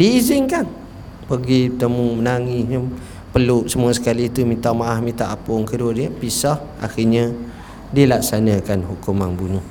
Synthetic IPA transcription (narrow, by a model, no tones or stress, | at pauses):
diːzɪŋkan | pəɡit̪əmumənaŋiɲə | pəlusəmuasə̥kalit̪umit̪aʔmaʔahmit̪aʔapʊŋkəduwədiəpisah | ʔa̰xiɲa | diəlaksanakanɦukumanbunuh